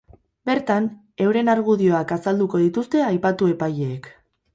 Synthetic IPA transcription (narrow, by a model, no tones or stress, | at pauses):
be̞ɾt̪an | e̞wɾe̞naɾɣ̞uð̞io̞akasald̪uko̞ð̞it̪ust̪e̞ajpat̪ue̞pajeːk